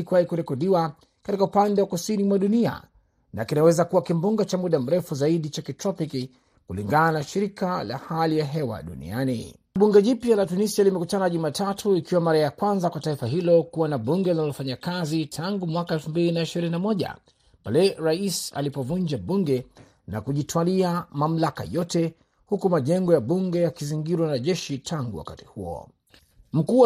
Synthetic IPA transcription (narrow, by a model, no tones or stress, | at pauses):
ikuwaikuɾɛkɔɗiwa | katikaupandɛwakusinimwaɗunia̰ | na̰kinawɛzakuwakimbuŋɡat͡ʃamuɗam̩ɾɛfuzaiɗit͡ʃakitɾɔpiki | kuliŋɡananaʃiɾikala̰halijaɦɛwa̰ɗṵnḭanḭ | ɓuŋɡɛʄipjalatunisialimɛkutanaʄumaːtʰatʰuikiwamaɾajakwanzakwataifaɦilɔkuwanaɓuŋɡɛlinalɔfaɲakazitʰaŋɡumwakaɛlfumbilinaiʃiɾininamɔʄa̰ | palɛɾaisa̰lipɔvund͡ʒaɓuŋɡɛ | na̰kuʄitwaliamam̩laka̰jɔtɛ | hukumaʄɛŋɡɔjaɓuŋɡɛjakiziŋɡiɾwanaʄɛʃitʰaŋɡuwa̰kati̥huɔ̰ | m̩kuw